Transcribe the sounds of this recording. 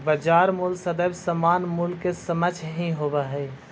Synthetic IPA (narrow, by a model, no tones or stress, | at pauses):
bəd͡ʒaɾmulsəd̪əbsəmanmulkːesəmət͡ʃʰɦĩɦobɛɦəɪ